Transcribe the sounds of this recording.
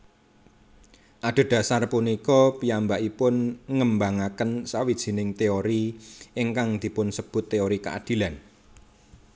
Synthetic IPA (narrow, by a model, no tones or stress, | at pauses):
ʔaɖ̪̥o̤d̥a̤sarpunikɔpiambaʔipʊnŋəmbaŋakənsawid̥ʒ̥i̤nɪŋt̪eoɾiɪŋkaŋd̪̥i̤pʊnsəb̥ʊ̤t̪ːeoɾikaʔa̰d̪̥i̤lan